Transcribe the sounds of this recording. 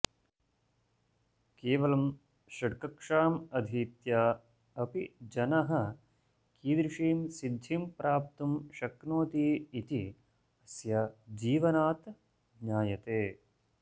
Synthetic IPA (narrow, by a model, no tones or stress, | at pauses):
keːʋɐlɐm | ʃɐʈkɐkʂaːmɐd̪ʱiːt̪jaː | ɐpid͡ʒɐnɐɦɐ | kiːd̪ɾiʂiːmsid̪ʱːiːmpɾʔaːp̚t̪umʃɐknoːt̪iːit̪i | ɐsjɐd͡ʒiːʋɐnaːt̪ | ɲaːjɐt̪eː